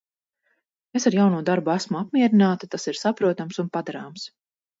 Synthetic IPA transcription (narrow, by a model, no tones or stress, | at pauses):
esaɾjawnuɔd̪aɾbuæsmuap̚miɛɾinaːt̪at̪asiɾsapɾuɔt̪amsunpad̪aɾaːms